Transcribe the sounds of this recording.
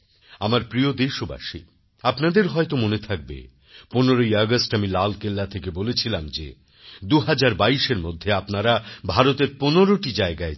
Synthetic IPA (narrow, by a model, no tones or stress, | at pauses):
amaɾpɾiod̪eʃoba̰ʃḭ | apnad̪eɾɦɔet̪omonet̪ʰak̚bḛ | poneɾoiɔɡasʈamilalkelːat̪ʰekebolet͡ɕʰilamd͡ʑḛ | d̪uɦad͡ʑaɾbaiʃeɾmod̪ʱːeapnaɾabʱaɾot̪eɾponoɾoʈid͡ʑaeɡae